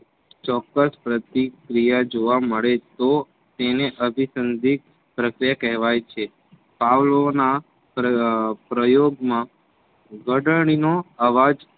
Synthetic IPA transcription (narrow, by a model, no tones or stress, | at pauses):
t͡ʃɔkːəspɾət̪ikɾijad͡ʒoʋaməɭet̪o | t̪eneʔəbʱisənd̪ʱik̚ | pɾəkɾijakɛɦʋajt͡ʃʰe | paʋlona | pɾəjoɡmã | ɡəɖəɳ̃inoaʋad͡ʒ